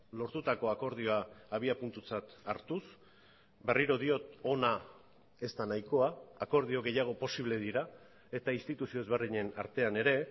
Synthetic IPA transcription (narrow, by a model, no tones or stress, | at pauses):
lo̞ɾt̪ut̪ako̞ako̞ɾð̞io̞aːβiapunt̪ut͡sat̪aɾt̪us | be̞riɾo̞ðio̞t̪o̞na | e̞st̪anajko̞aːko̞ɾðio̞ɣe̞jaɣ̞o̞po̞siβ̞le̞ðiɾa | e̞t̪ainst̪it̪usio̞ezβerðiɲe̞na̰ɾt̪e̞ane̞ɾe̞